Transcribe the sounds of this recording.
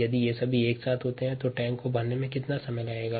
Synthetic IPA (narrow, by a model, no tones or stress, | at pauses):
jɐd̪ijesɐbʱieːksaːt̪ʰɦoːt̪eɦɛ̃t̪oʈɛ̃ːŋkkobɐɾnemẽkɪt̪nasɐməjlaːeːɡaː